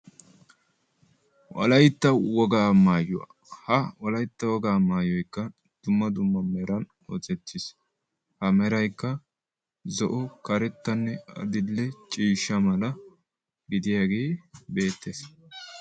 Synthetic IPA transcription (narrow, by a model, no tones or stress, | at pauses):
wɐ̰lɐjt̪ːɐwɔɡaːmaːjʊwa̰ː | hɐwɐlɐjt̪ːɐwɔɡaːmaːjɔjkːɐ | d̪̥ʊmːɐd̪ʊmːɐmɛɾɐn | ɔ̰t͡sɛt̪ːɪs | hɐmɛɾɐjkːɐ | zɔʔɔkɐɾɛt̪ːɐnːɛɐ̰d̪ɪlːɛt͡ʃʼiːʃːɐmɐlɐ | ɡɪd̪ɪjaːɡe̞ːbe̞ːt̪ːeːs